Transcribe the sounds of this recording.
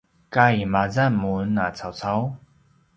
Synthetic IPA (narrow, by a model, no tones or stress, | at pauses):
kaimazamunːat͡sʰat͡sʰaw